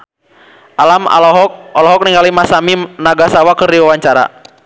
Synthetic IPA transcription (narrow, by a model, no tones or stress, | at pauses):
ʔalama̰lɔɦɔk̚ɔlɔɦɔk̚niŋɡalimasaminaɡasawakɨrdiwawaɲt͡ʃaɾa̰